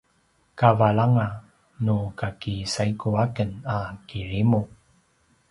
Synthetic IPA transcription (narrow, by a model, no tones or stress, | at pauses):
kavaɭaŋa | nukakisaikuakənakiɾimu